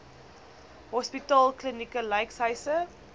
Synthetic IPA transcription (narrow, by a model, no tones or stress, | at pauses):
ɦɔspitɑːlˠklinikəlɐjksɦəjsə